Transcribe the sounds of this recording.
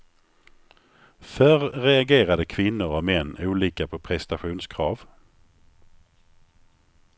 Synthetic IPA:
fœːɾːɛaɡeːɾad̪əkʰvɪnːʊɾɔmɛnːuːliːkapʰɔpʰɾɛst̪aɧuːnskʰɾɑːv

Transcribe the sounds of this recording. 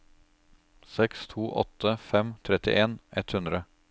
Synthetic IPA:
sɛkst̪ʰuːʔɔ̰t̪əfɛmt̪ʰɾɛt̪ɪ̰ʔeːnʔɛt̪hʉnd̪ɾə

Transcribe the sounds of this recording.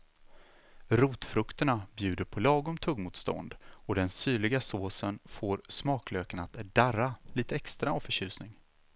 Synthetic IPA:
ɾuːt̪fɾɵkt̪əɳabjʉ̟ːd̪əɾpʰɔlɑːɡʊmt̪ʰɵɡmuːt̪st̪ɔ̰nd̪ɔd̪ɛnsyːɭɪɡasoːsənfoːɾsmɑːkløːkənat̪d̪̥aɾaliːt̪əɛkst̪ɾaavfœɕʉ̟ːsnɪŋ

